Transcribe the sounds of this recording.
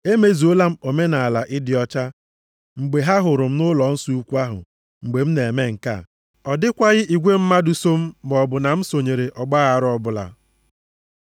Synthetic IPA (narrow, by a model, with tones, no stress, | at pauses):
e˦me˨zi˨o˦la˦m̩˦o˨me˦na˨a˨la˨ʔɪ˦dɪ˨ɔ˦t͡ʃa˦ | ŋ͡m̩˨ɡ͡be˨ɦa˦ɦʊ˨ɾʊ˨m̩˦nʊ˦lɔ˨˦n̩˦su˦u˦kʷu˦a˦ɦʊ̰˨ | ŋ͡m̩˨ɡ͡be˨m̩˦ne˨e˨me˦ŋ̩˨ka̰˦˨ | ɔ˨dɪ˦kʷa˦ɣɪ˦ʔi˨ɡʷe˦m̩˦ma˦du˨so˦m̩˦bɔ˨bʊ˨na˨m̩˦so˨ɲe˨ɾe˨ʔɔ˨ɡ͡ba˦ɣa˨ɾɔ˦bʊ˨la̰˨